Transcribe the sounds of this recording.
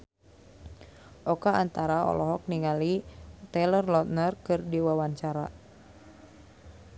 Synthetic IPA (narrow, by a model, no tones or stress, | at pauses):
ʔɔkaant̪aɾaɔ̰lɔɦɔk̚niŋalit̪ɛlərlɔt̪̚nərkɨrdiwawaɲt͡ʃaɾa̰